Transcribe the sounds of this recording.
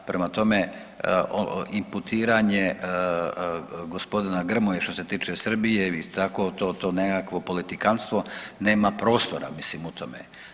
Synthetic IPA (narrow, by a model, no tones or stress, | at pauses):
pɾemat̪o̞me | o̰imput̪ʰiːɾaɲe | ɡo̞spo̞d̪inaɡr̩mojeʃt̪o̞se̞t̪iːt͡ʃesr̩bijeist̪ako̞t̪oːt̪o̞ːnekakʋo̞po̞lit̪ikanst̪ʋo̞ne̞ːmapɾo̞ːst̪o̞ɾa̰mislimut̪o̞mḛ